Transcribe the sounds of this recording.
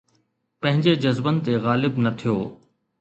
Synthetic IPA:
pɐ̃ɦɪ̃ɲd͡ʑed͡ʑɐzbənɪ̆t̪eɣaːlɪbnɐt̪ʰijoː

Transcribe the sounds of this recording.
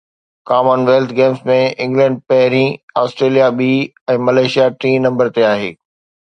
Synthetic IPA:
kaːmənʋeːlt̪ʰɡẽːmsmẽɪ̃ŋɡlɛ̃ɳɖ̚pɐɦɪɾĩaːsʈɾeːlijaɓiː | ɛ̃ːmɐleːʃijaʈɾĩːnɐ̃mbəɾt̪eaːɦḛː

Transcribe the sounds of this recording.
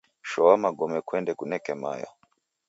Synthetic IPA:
ʃɔwamaɡɔmɛkwɛndɛkunɛkɛma̰ja̰

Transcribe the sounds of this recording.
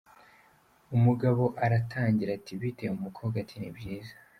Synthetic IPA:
umuɡaβo̞ʔaɾatʰaːɲɟiɾatʰiβitemumukʰoɡatʰinibɟiːzḁ

